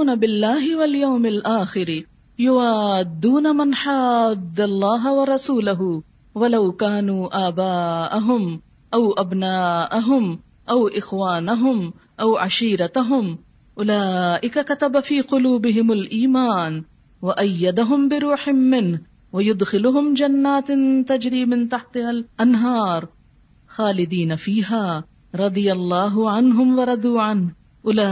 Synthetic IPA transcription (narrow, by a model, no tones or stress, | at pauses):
nabɪlːaːɦɪwaljawmalʔaːxɪɾ | jʊwaːd̪ːuːnamanħaːd̪ːalˤːɑːɦawɑɾˤɑsuːlaɦʊ | walawkaːnuːʔaːbaːʔaɦʊm | ʔawʔabnaːʔaɦʊm | ʔawʔɪxwaːnaɦʊm | ʔawʕaʃiːɾɑt̪ɦʊm | ʔʊlaːʔɪkakat̪abafiːqʊluːbɪɦɪmalʔiːmaːn | waʔajːad̪aɦʊmbɪɾuːħɪːɪnh | wajʊd̪xɪlʊɦʊmd͡ʒanːaːt̪t̪ad͡ʒɾiːmɪnt̪aħt̪alʔanɦɑːɾˤ | xaːlɪd̪iːnafiːɦaː | ɾˤɑd̪ˤɨjalˤːɑːɦʊʕanɦʊmwɑɾˤɑd̪uːʕanh | ʔʊlaː